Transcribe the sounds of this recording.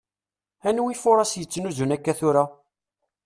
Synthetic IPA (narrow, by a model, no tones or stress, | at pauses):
ænwifʊɾˤɑsjət͡sːnuzunækːæθʊɾa